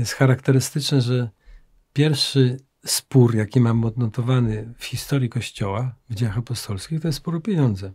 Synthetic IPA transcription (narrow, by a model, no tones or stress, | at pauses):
jɛst̪xaɾakt̪ɛɾɘst̪ɘt͡ʂnɛʐɛ | pʲjɛɾfʂɘ | spuɾjakʲimamɔd̪nɔt̪ɔvanɘfxʲist̪ɔɾʲjikɔɕt͡ɕɔwavd͡ʑejaxapɔst̪ɔlskʲixt̪ɔjɛst̪spɔɾɔpʲjeɲɔnd̪zɛ